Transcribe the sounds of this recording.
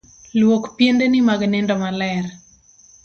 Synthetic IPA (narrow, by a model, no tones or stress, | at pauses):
lwokpjendenɪmaɡnɛndɔmalɛr